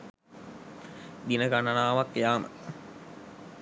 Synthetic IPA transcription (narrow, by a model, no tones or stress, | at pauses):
d̪inəɡananaːʋakjaːmə̰